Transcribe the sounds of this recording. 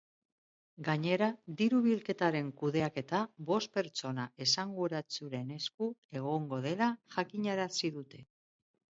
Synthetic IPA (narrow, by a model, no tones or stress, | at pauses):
ɡaɲe̞ɾad̪iɾuβilke̞t̪aɾe̞ŋkuð̞e̞ake̞t̪aβo̞st̪̚pe̞ɾt͡so̞nae̞saŋɡuɾat͡suɾe̞ne̞skue̞ɣ̞o̞ŋɡo̞ð̞e̞laʝakiɲaɾasiðut̪e̞